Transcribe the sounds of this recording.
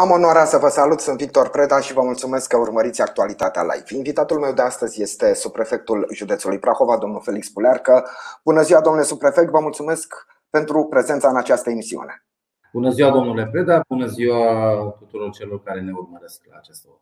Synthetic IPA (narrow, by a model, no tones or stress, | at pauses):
amo̞naɾasəvəsalut̪sɨnt̪vik̚t̪o̞rpɾe̞d̪aʃivəmult̪sume̞skːəurməɾit̪sʲakt̪ualit̪at̪ea̰la̰jvinvit̪at̪ulme̞wd̪east̪əzʲje̞st̪e̞subɾe̞fe̞k̚t̪ulʒud̪e̞t̪sulujpɾaxo̞vad̪o̞mnulfe̞likspulearkəb̥unəziwad̪omnulesupɾe̞fek̚t̪vəmult̪sume̞sk | pe̞nt̪ɾupɾe̞ze̞nt̪saɨnat͡ʃast̪əemisiṵne̞̰ | bunəziwad̪o̞mnule̞pɾe̞d̪abunəziwat̪ut̪uɾo̞rt͡ʃelo̞rkaɾe̞ne̞urməɾeskla̰ːt͡ʃest̪o